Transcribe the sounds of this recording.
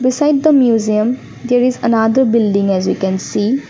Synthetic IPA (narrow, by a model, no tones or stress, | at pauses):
bisajd̚d̪ɐmjuziə̃m | d̪eɾizɐnad̪ɐɾbildĩŋɛzwikɛ̃nsi